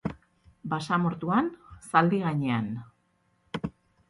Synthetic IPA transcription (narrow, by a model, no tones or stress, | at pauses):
basamoɾt̪uansald̪iɣaɲean